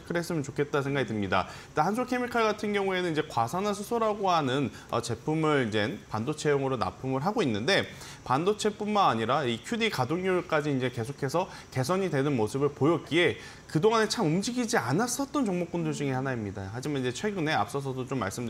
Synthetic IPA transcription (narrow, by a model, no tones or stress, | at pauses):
kʰɯɾe̞s͈ɯmjʌnt͡ɕokʰe̞t̚t͈ansʰe̞ŋɡaɡitɯmɲida̰ | t͈ohansʰokʰe̞mikʰaɭɡatʰɯnɡjʌŋue̞nɯnid͡ʑekwasʰanansʰusʰoɾaɡoɦanɯn | ʌ̰t͡ɕe̞pʰumɯɭid͡ʑe̞npandot͡ɕʰe̞joŋɯɾona̰pʰumɯɭɦaɡoinːɯnde̞ | pandot͡ɕʰe̞p͈unmanaɲiɾaikʰjudikadoŋɲuɭk͈ad͡ʑiːnd͡ʑe̞ke̞sʰokʰe̞sʰʌ | ke̞sʰʌɲide̞nɯnmosʰɯbɯɭpojʌt̚k͈ie̞ | kɯdoŋane̞t͡ɕʰamumd͡ʑiɡid͡ʑianas͈ʌt̚t͈ʌnt͡ɕʌŋmok͈undod͡ʑɯŋihanaimɲidahad͡ʑimanid͡ʑe̞t͡ɕʰwe̞ɡɯne̞a̰p̚s͈ʌs̬ʰʌdot͡ɕomːa̰ɭs͈ɯmd